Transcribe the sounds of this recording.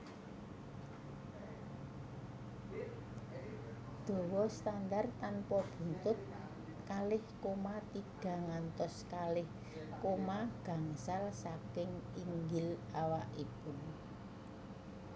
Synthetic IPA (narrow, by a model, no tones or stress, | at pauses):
d̪̥o̤wɔst̪andart̪anpɔb̥ṳnt̪ʊt̪̚ | kalɪhkomat̪iɡ̥a̤ŋant̪ɔskalɪh | komaɡ̥ä̤ŋsalsakɪŋiŋɡɪlawaʔipʊn